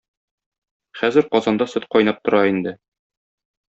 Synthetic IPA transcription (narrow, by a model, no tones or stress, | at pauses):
χæzɘɾqɒzɑnd̪ɑsɵt̪qɒjnɑp̚t̪ŏɾɑind̪ɘ